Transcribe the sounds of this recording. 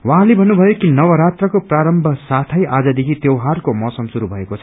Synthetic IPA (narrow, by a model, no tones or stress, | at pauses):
waɦãlebʱʌnːubʱʌjokinʌwʌɾat̪rʌkopraɾʌmbʱʌsat̪ʰʌjʔad͡zʌd̪ekʰit̪jewɦarkomʌsʌmsuɾubʱʌekot͡sʰʌ